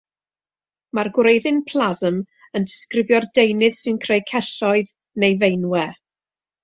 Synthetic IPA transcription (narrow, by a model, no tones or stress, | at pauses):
marɡwɾejðɨnpʰlˠazəm | əndɪskrɪvjɔrdejnɨd̥sɨnkʰrejkʰɛɬɔɨð | nejvejnwɛ